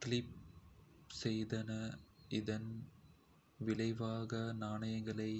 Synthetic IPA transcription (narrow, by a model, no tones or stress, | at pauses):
kɪlɪp̚ | sɛjðɐnɐʔɪðɐn | ʋɪlɐɪʋaːɣɐnaːnɐjɐŋɡɐɭɐɪ